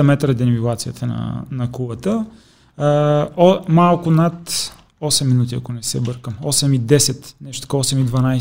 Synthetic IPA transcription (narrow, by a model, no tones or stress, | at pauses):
ɐmɛt̪ɾəd̪ɛnvilˠat̪sijət̪ʰənɐ̰nɐkubət̪ə | malˠkʊnat̪ | ɔsɛmːinut̪iɐkonɛsɛ̰bɤɾkəmɔsɛmid̪ɛsɛt̪nɛʃt̪o̥t̪ɐkɔɔsɛmid̪vɐnaj